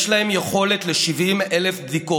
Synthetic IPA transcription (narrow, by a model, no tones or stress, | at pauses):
ʃlahemjeχo̞let̪leʃivimelefbd̪iko